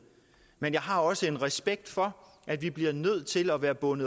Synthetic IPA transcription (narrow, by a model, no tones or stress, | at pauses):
menjɑ̈ɪɦɑ̈ɒ̽səe̝nʁɛsb̥eɡ̥̚d̥fɒ̽ | ʔæd̥ʋib̥liɐnøð̞̰ˠt͡sʰe̝lɒʋæːɐb̥ɔ̽nəð̩ˠ